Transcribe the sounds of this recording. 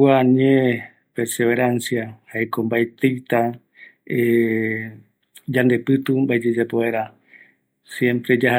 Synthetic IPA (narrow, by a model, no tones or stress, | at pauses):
aɲẽ | peɾse̞βe̞ɾansjahaekombaet̪ejt̪a | e | d͡ʒand̪e̞pɨt̪umbaed͡ʒed͡ʒapoeɾa | sjẽ̞mpɾe̞d͡ʒaha